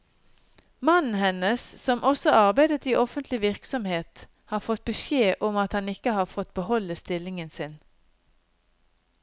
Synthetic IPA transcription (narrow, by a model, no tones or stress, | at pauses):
mɑnn̩hɛnəssɔmʔɔsɔʔɑʁbæɪd̪ət̪iːʔɔfənt̪lɪʋɪʁksɔmheːt̪ | hɑːfɔt̪̚bəʃjeːʔɔmɑt̪hɑnɪkəhɑːfɔt̪̚bəhɔləst̪ɪlɪŋənsɪn